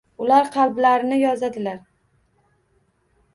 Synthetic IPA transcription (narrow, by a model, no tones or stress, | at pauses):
ʊlaɾqʰɑlˠblaɾɪnɪjɒzad̪ɪlaɾ